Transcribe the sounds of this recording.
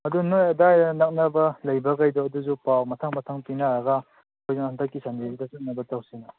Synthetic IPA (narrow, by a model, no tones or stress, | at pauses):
ɐdunojɐdajnak̚nɐbɐlɐjbɐkajdɔːduzupawmɐtʰaŋmɐtʰaŋpinaɾaɡa | kʰojzaŋhantʰakːisandisitasɯt̚nɐbɐtawsina